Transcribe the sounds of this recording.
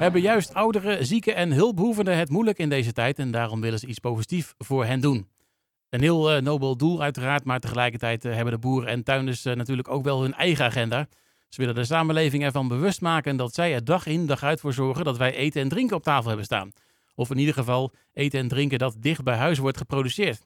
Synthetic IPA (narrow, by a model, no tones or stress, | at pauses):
ɦɛbəjœɥstʌwdərəzikəɛnɦɪlˠpɦuvəndəɦətmujləkɪndejzətɛjtɛndaːrɔmʋɪlənzəitspowzitifv̥ʊːɹɦɛndun | ənɦɪːlˠnowbəlˠdulˠœɥtəraːɹtmaːɹtəχəlɛjkəɹtɛjtɦɛbəndəbuːrəɛntœɥnəsnatyːləkowkʋɛlˠɦɵnɛ̰jχəaχɛndaː | səʋɪləndəs̬aːmənlejvɪŋɛɹvɑnbəʋɵstmaːkəndɑtsɛjədɑχɪndɑχœɥtfʊːɹzɔɹχəndɑtʋɛjʔejtənɛndrɪŋkənɔp̚taːfəlˠɛbənsta̰ːn | ɔfɪnidəɹχəvɑlˠ | ʔejtənɛndrɪŋkədɑt̚dɪχt̚bɛjɦœɥs̬ʋɔɹtχəprowdysɪːɹt